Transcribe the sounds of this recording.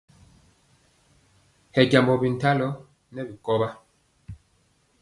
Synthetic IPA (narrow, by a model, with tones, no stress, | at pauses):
hɛ˨ɡa˨mbɔ˨bi˨n̩˨ta˦lɔ˨˦ | nɛ˦bi˨kɔ˦ba˦